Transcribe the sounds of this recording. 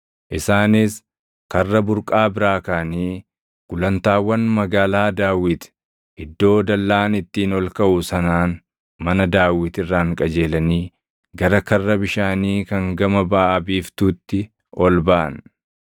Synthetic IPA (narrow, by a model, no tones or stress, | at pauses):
ʔɪsaːnɪs | kɐrːɐbʊɾkʼaːbɪɾaːkaːniː | ɡ̥ʊlɐnt̪aːwːɐnmɐɡaːlaːd̪aːwɪt̪ | ɪd̪ːo̞ːd̪ɐlːaːnɪt̪ːiːnɔlkɐʔʊsɐnaːn | mɐnɐd̪aːwɪt̪ɪrːaːŋkʼɐd͡ʒe̞ːlɐniː | ɡɐɾɐkɐrːɐbɪʃaːniːkɐŋɡɐmɐbɐaʔɐbiːft̪uːt̪ːɪ | ʔɔlbaʔɐ̰n